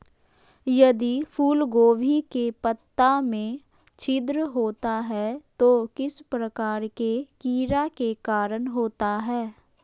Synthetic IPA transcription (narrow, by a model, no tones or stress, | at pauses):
jɐd̪ipʰuːlɡoːʋʱikepət̪ːamẽ | t͡ʃʰɪd̪ɾəɦoːt̪aɦɛt̪okɪspɾəkaːɾkekiːɾakekaːɾənɦoːt̪aɦɛː